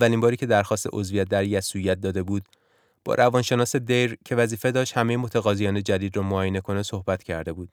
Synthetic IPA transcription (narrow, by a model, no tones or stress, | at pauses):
ælimbɒːɾiːcʰe̞d̪æɾxɒːst̪eʔo̞zvijæt̪̚d̪æɾjæsujæt̪̚d̪ɒːd̪e̞buːd̪ | b̥ɒ̰ɾʔævɒːnʃe̞nɒːse̞d̪ejɾcʰe̞væziːfe̞d̪ɒːʃt̪hæmejemot̪ʰæɣɒːzijɒːne̞d͡ʒæd̪iːd̪rɒːmoɒːjene̞kʰo̞neso̞hbæt̪ʰcʰæɾd̪e̞buːd̪̥